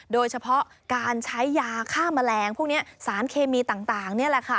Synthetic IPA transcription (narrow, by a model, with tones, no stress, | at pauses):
doː˧jt͡ɕʰa˧pʰɔ˦˥ʔ | kaː˧nt͡ɕʰa˦˥jːaː˧kʰaː˥˩mːa˧lɛː˧ŋpʰu˥˩k̚ni˦˥ɐsaː˩˦nkʰeː˧miː˧t̪aː˨˩ŋt̪aː˨˩ŋni˥˩ɐlɛ˨˩kʰa˦˥˩